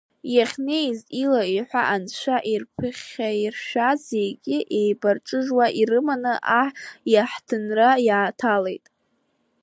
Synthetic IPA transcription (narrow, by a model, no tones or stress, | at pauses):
jaχʲne̞jzilaiħʷa̰ʔant͡ʃʷaʔirpʰɨχʲairʃᶣaze̞jɡʲɪʔejbarʈ͡ʂʼɨʒwaʔirɨmanɨʔaħjaħtʰɨnrajaːtʰale̞jtʼ